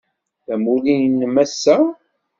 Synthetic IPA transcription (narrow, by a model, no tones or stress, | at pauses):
θæmulijnːmæsːæ